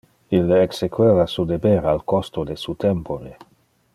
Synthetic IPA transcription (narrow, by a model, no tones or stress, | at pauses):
ilːeksekweːvasud̪ebeɾalkost̪od̪esut̪empʰoɾe